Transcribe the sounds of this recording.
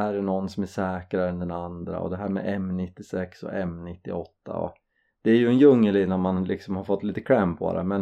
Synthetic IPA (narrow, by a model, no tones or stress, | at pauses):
æːɾɛnɔnːsɔmæʂɛːkɾaɛnd̪ɛnand̪ɾa̰ɔ̰d̪ɛɦæːɾmɛ̰ːɛmːnɪt̪ːɪsɛksɔ̰ʔɛmnɪt̪ːɪɔt̪ːa̰ɔ̰ | d̪̥ɛæɾjɵɛnjɵŋːəlɪnːanmanlʔɪksɔmhaɾfɔt̪ːliːt̪ə̥kʰɾɛmpʰo̰d̪ɛ̰mɛn